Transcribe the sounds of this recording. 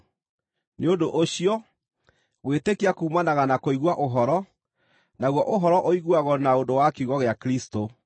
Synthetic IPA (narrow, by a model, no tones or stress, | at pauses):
neondoʔoɕiɔ | ɣwetekiakuːmanaɣanakoiɣwaʔoɦɔɾɔ | naɣwɔʔoɦɔɾɔʔoiɣwaɣɔnaondowakuɣɔɣeakɾisto